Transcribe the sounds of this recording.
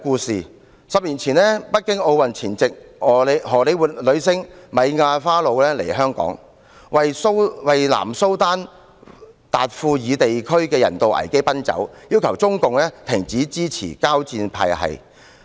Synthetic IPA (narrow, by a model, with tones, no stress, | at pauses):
kuː˧siː˨ | sɐ˨p̚liː˨˩nt͡sʰiː˨˩nlɛː˥pɐ˥t̚kɪ˥ŋo˧wwɐ˨nt͡sʰiː˨˩nt͡sɪ˨k̚ɔː˨˩le˨˧ɦɔː˨˩le˨˧jwu˨lɵ˨˧ɥsɪ˥ŋmɐ˨˧jŋaː˧faː˥lo˨˧wlɛː˥lḛ˨˩jɦœː˥ŋkɔ̰ː˨˥ŋ | wɐ˨jso˥wwɐ˨jla̰ː˨˩mso˥wt̪aː˥n | t̪aː˨t̚fuː˧jiː˨˧t̪e˨jkʰɵ˥ɥkɛː˧jɐ̰˨˩nt̪o˨wʔɐ̰˨˩jke˥jpɐ˥nt͡sɐ̰˨˥wjiː˥wkʰɐ˨˩wt͡sʊ˥ŋkʊ˨ŋlɛː˥t̪ʰɪ˨˩ŋt͡siː˨˥t͡siː˥t͡sʰḭː˨˩kaː˥wt͡siː˧npʰa̰ː˧jhɐ̰˨j